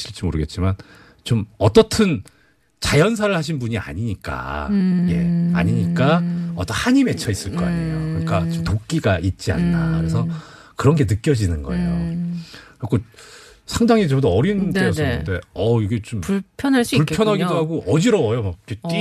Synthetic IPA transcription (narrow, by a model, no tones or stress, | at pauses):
ɕʰiɭt͡ɕ͈imoɾɯɡe̞t̚t͡ɕ͈iman | t͡ɕomʌt͈ʌtʰɯn | t͡ɕajʌns̬ʰaɾɯɭhaɕ̬ʰinbuɲia̰ɲiɲik͈a̰je̞̰a̰ɲiɲik͈aʌt͈ʌnhaɲime̞t͡ɕʰʌis͈ɯɭk͈ʌa̰ɲiokɯɲik͈at͡ɕomtok̚k͈iɡaʔit̚t͡ɕ͈ia̰nːakɯɾe̞sʰʌ | kɯɾʌnɡe̞nɯk͈jʌd͡ʑinɯnɡʌ̰e̞̰jo | kɾʌkʰo | sʰaŋdaŋid͡ʑʌdʌʌɾindɯʌsʌnɯnde̞ʌiɡet͡ɕompupʰjʌnɦaɭs͈uuɭpʰjʌnɦaɡidoɦaɡoʔʌd͡ʑiɾʌwʌjomak̚k͈et͈i